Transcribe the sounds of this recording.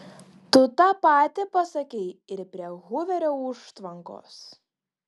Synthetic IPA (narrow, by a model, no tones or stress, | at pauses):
t̪ʊt̪ɐpɑːt̪ʲɪpɐsɐkʲɛɪɪɾpʲɾʲiɛɣʊʋʲɛɾʲoːʊʃt̪ʋɐŋko̰ːs